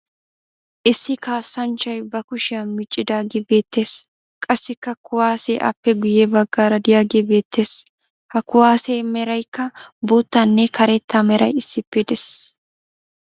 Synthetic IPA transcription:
ʔɪsːɪkaːsːɐnt͡ʃːɐjbɐkʊʃɪɐmɪt͡ʃʼːɪd̪aːɡebe̞ːt̪ːe̞ːs | kʼɐsːɪkːɐkʊwaːseːʔɐ̰pːɛɡʊjɛbɐɡːaːɾɐd̪ɪjaːɡebe̞ːt̪ːe̞ːs | hɐkːʊwaːseːmɛɾɐjkːɐboːt̪ːɐnːɛkɐɾɛt̪ːamɛɾɐ̰jɪsːɪpːɛd̪ɛss

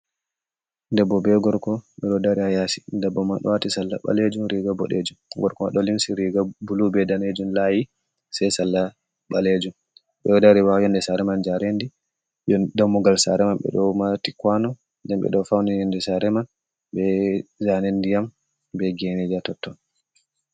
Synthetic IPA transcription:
ndɛbɔbɛɡɔɾkɔɓɛɗɔdaɾiajasi̥ndɛbːɔmanɗɔ̰watisalːa̰ɓa̰led͡ʒumɾiɡabɔɗḛd͡ʒumɡɔɾkɔaɗɔlimsiɾiɡabulubɛdaned͡ʒumlaji | sajsalːa | ɓaled͡ʒum | ɓɛɔdaɾiwajɔndɛsaɾɛmand͡ʒaɾendi | dɔmɔɡalsa̰ɾɛmanɓɛ̰ɗɔmatikwanɔ | ndɛmɓɛ̰ɗɔfawnijɔndɛsaɾɛman | bɛzanendijam | bɛɡenid͡ʒatɔtːɔn

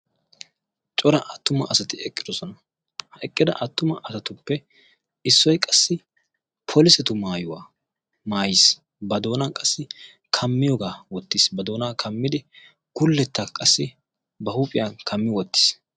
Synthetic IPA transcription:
t͡ʃʼɔɾɐʔɐt̪ːʊmɐʔɐsɐt̪ɪɛkʼːɪd̪ɔsɔnɐ | hɐɛkʼːɪd̪ɐ̰ʔɐt̪ːʊmɐʔɐsɐt̪ʊpːɛ | ɪsːɔjkʼɐsːɪ | pʰɔlɪsɛt̪ʊmaːjʊwaː | maːjɪs | bɐd̪o̞ːnɐnkʼɐsːɪ | kʰɐmːɪjɔɡaːwɔt̪ːiːsbɐd̪o̞ːnaːkʰɐmːɪd̪ɪ | ɡʊlːɛt̪ːakʼɐsːɪ | bɐhuːpʼɪjɐnkʰɐmːɪwɔt̪ːɪ̥ːs

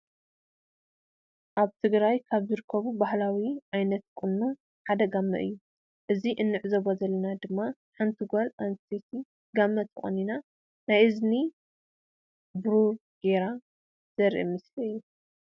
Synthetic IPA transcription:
ʔaβt̪ʰɨɡɾajkʰaβzɨɾɨkʰːɐβubahlawiʕajnɐt̪̚kʼɨnːu | ħad̪ɐɡamːɐ̰ʔɨ̰jːu | ʔɨziʔɨnːɨʕzoβozɐlːɐnad̪ɨmːa | ħant̪ʰuɡolant̪ʰet̪ʰi | ɡamːɐt̪ʰɨχʼɐ̰nina | najʔɨzni | bɾu | ɡ̥eɾa | z̥ɐɾʔḭmɨsliɨjːu

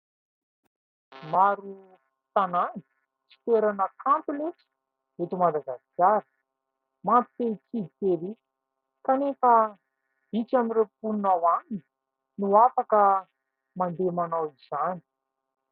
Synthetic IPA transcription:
maɾu | t̪anani̥ | t͡si̥feɾanəkʰampinit͡si̥ | et̪umad̪aɡaskaɾə̥ | mamp̪i̥t̪et͡sid̪it̪eɾi | kanefə | b̥it͡ʃamirepunnawanini | nuafakə | mand̪emanawiz̥ani̥

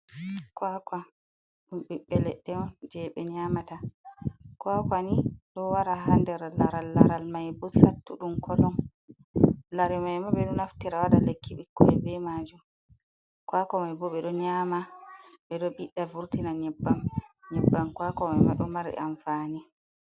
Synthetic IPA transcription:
kwakwa | ɗumɓiɓɛlɛɗːɛɔnd͡ʒɛɓɛɲamata | kwakwaniɗɔwaɾaɦandɛɾlaɾalːaɾalmajbɔsatːuɗumkʰɔlɔn | laɾɛmajmaɓɛɗunaftiɾawaɗalekːiɓikːɔɛbɛmaːd͡ʒum | kwakɔmajbɔɓɛɗɔɲaːmaɓɛɗɔɓiɗːavuɾtinaɲɛbːamɲɛbːamkwakɔmajmaɗɔmaɾɛ̰ʔanfaːni

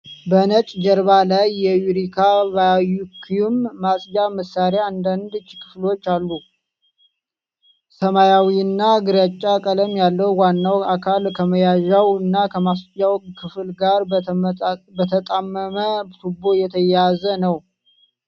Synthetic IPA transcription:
bənət͡ʃʼd͡ʒəɾβalajːɛjuɾikʰavajukʰːijumːasʼjaməsaɾjand̪and̪ɨt͡ʃːkʰɨflo̞t͡ʃːalːu | səmajawiɨnːaɡɨɾat͡ʃʼːakʼələmjalːəwwanːawakʰalkʰəməjaʒawɨnːakʰəmasjawkʰɨflɡaɾ | bət̪ʰət̪ʼamːəmət̪ubo̞jɛt̪ʰəjjazənəw

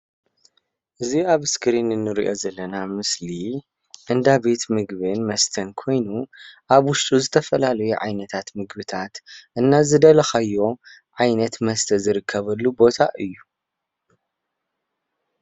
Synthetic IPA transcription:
ʔɨziaβskɾinɨnːɨɾḭʔo̞zɐlːɐnamɨsli | ʔɨnd̪abe̞t̪mɨɡβɨnmɐst̪ʰɐnkʰo̞jnuʔaβwʊʃt̪ʼuzɨt̪ʰɐfɐlalɐjuʕa̰jnɐt̪ʰat̪mɨɡbɨt̪ʰat̪ʔɨnːazɨd̪ɐlɐxajːo̞ | ʕajnɐt̪mɐst̪ʰɐzɨɾɨkʰːɐβɐlːubo̞t̪ʰa̰ʔɨjːu

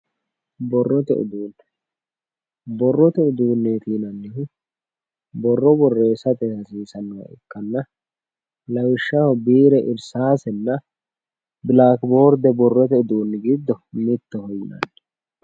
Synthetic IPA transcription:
bɔrːɔt̪ɛ̰ʔʊ̰d̪uːnː | bɔrːɔt̪ɛʊd̪uːnːeːt̪iːnɐnːɪhʊ | bɔrːɔbɔrːe̞ːsɐt̪ɛhɐsiːsɐnːɔwɐ̰ʔɪ̰kːɐnːɐ | lɐwɪʃːɐhɔbiːɾɛʔɪɾsaːsɛnːɐ | bɪlaːkbo̞ːɾd̪ɛbɔrːɔt̪ɛʊd̪uːnːɪɡɪd̪ːɔmɪt̪ːɔhɔjɪnɐ̰nː

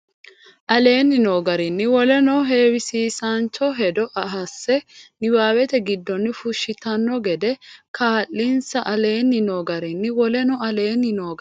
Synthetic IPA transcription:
ʔɐle̞ːnːɪnoːɡɐɾɪnːɪwɔlɛnɔɦe̞ːwɪsiːsant͡ʃːɔɦɛd̪ɔʔɐɦɐsːɛnɪwaːwɛt̪ɛɡɪd̪ːɔnːɪfʊʃːɪt̪ɐnːɔɡɛd̪ɛkʰaːlːinsɐʔɐle̞ːnːɪnoːɡɐɾɪnːɪwɔlɛnɔɐle̞ːnːɪnoːɡ

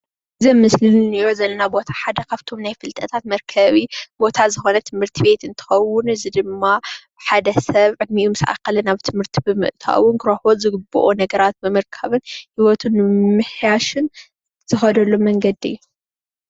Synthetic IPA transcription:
zɐmɨslɨnnijozɐlːɐnabo̞t̪ʰḁħad̪ɐkaβt̪ʰo̞mnajfɨlt̪ʼɐt̪ʰat̪mɐɾkʰɐβibo̞t̪ʰazɨxo̞nɐt̪ʰɨmhɨɾt̪ʰibe̞t̪ɨnt̪ʰɨ̥xɐwːʊnɨzid̪ɨmːa | ħad̪ɐsɐβʕɨd̪̚miʔumɨsʔa̰kːɐlɐnaβt̪ʰɨmhɨɾt̪ʰibɨmɨ̰ʔt̪ʰa̰wʊnkɨɾoħolzɨɡɨbuʔonɐɡɐɾat̪̚bɨmɨɾkʰɐβɨnhiwɔt̪ʰunːɨmɨħjaʃɨn | z̥ɨxɐd̪ɐlːomɐŋɡɐd̪ḭjːu

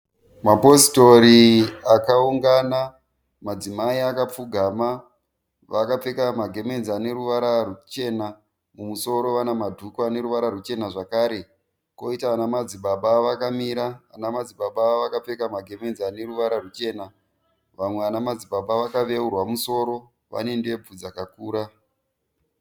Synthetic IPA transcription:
mapo̞si̥to̞ɾiakauŋɡana | mad͡zimaiakap͡fuɡʱaːma | ʋakap͡fe̞kamaɡʱe̞me̞nzane̞ɾuʋaɾarut͡ʃe̞na | mumuso̞ɾo̞ʋanamadʱukoane̞ɾuʋaɾarut͡ʃe̞naʐakaːɾe̞ | ko̞itaːnamad͡ziɓaɓaʋakamiɾa̰ːnamad͡ziɓaɓaʋakap͡fe̞kamaɡʱe̞me̞nzane̞ruʋaɾarut͡ʃe̞na | ʋamwe̞anamad͡ziɓaɓaʋakaʋe̞urwamuso̞ɾo̞ | ʋa̰ne̞nde̞bud͡zakakuːɾa

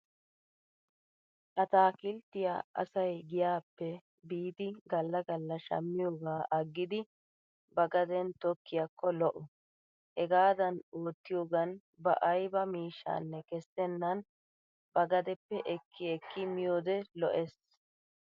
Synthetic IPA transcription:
ʔɐt̪aːkɪlt̪ːɪja̰ʔɐ̰sɐjɡɪjaːpːɛ | biːd̪ɪɡɐlːɐɡɐlːɐʃɐ̰mːɪjoːɡaːʔɐɡːɪd̪ɪ | bɐɡɐd̪ɛnt̪ɔkːɪjɐkːɔlɔʔɔ | hɛɡaːd̪ɐnoːt̪ːɪjoːɡɐn | bɐ̰ʔɐjbɐmiːʃːa̰ːnːɛkɛstɛnːɐn | bɐɡɐd̪ɛpːɛʔɛkʰːɪɛkʰːɪmɪjoːd̪ɛlɔ̰ʔɛs

